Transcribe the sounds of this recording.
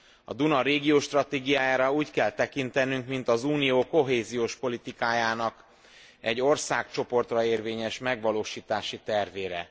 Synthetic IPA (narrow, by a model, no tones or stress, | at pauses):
ɒ̰d̪unɒɾeːɡioːʃt̪rɒt̪eːɡijaːjaːɾɒuːckɛlt̪ɛkint̪ɛnyŋkmint̪ɒzuːnijoːko̞ɦeːzijoːʃpo̞lit̪ikaːjaːnɒk | ɛɟːo̞rsaːkt͡ʃo̞po̞rt̪rɒeːrveːɲɛʃmɛɡʋɒloːʃiːt̪aːʃit̪ɛrveːɾɛ̰